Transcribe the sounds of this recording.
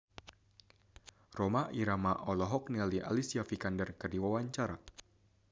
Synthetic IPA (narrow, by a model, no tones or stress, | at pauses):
romaʔiɾamaʔɔlɔɦɔk̚nialiʔa̰lisiafikandərkərdiwawaɲt͡ʃaɾa̰